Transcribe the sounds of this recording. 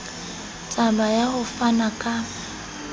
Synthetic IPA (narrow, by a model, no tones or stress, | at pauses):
t͡sʼabajahʊfanakʼa